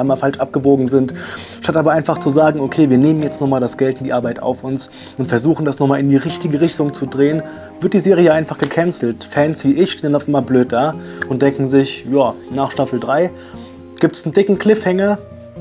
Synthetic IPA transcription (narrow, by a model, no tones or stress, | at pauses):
aɪmaːfalʃʔap̚ɡ̥əboːɡŋ̩zɪntʃtatʔaːbɐʔaɪnfaχt͡suzaːɡŋ̩okʰeːviːɐneːmənjɛt͡stnɔχmaːldasɡ̥ɛltɪndiːʔaɐbaɪtʔa̰ʊfʊns | ʊntfɛɐzuːxn̩dasnɔχmaːlɪndiːʁɪçtɪɡəʁɪçtʊŋt͡sudʁeːən | v̥ɪɐt̚d̥iːzeːʁijəʔaɪnfaχɡ̥əkʰɛnt͡sl̩tfɛnsv̥iːʔɪçʃteːnənaʊfʔɪmɐbløːt̚d̥aːʔʊnt̚d̥ɛŋkŋ̩zɪçjaːnaːχʃtafl̩dʁaɪ | ɡ̥iːp̚tsn̩dɪkŋ̩kl̥ɪfhɛŋə